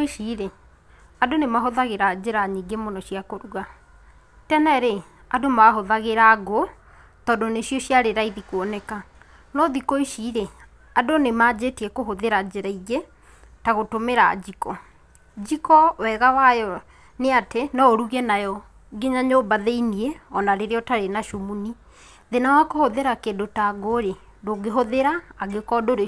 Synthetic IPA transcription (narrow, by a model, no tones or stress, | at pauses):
iʃiɾe | adonemaɦoðaɣeɾad͡ʑeɾaɲiɡemonɔɕijakoɾuɣa | tɛnɛɾe | adomaɦoðaɣeɾaɡo | tɔːdɔneɕijɔɕjaɾeɾaiðikwɔnɛka | nɔðikoiʃiɾe | adonemad͡ʑeteɛkoɦoðeɾad͡ʑeɾaiɣe | taɣotomeɾa̰d͡ʑikɔ | d͡ʑikɔwɛɣawajɔ | neatenɔoɾuɣɛnajɔ | ɡeɲaɲobaðeinieɔnaɾeɾeɔtaɾenaʃomuni | ðenawakohoðeɾakeːndotaɡoɾe | doːɡeɦoðeɾaːɡekɔdoɾe